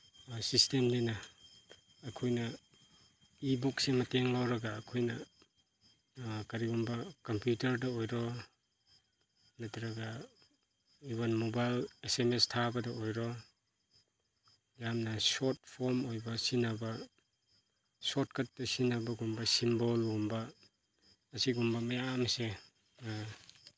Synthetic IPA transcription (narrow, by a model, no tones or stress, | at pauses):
sistemdinɐː | kʰojnɐ | ibuksimɐteŋlawɾɐɡaːkʰojnɐ | kɐɾiɡumbɐkɐmpjutɐɾdɐojɾɔ | nɐtʰɾɐɡa | ibɐnmobajlesemestʰabɐdɐojɾɔ | jamnɐsɔt̚pʰoɾmojbɐsinɐbɐ | sot̚kʰɐt̚dɐsinɐbɐɡumbɐsimbolɡumbɐː | siɡumbɐmɐjamɐse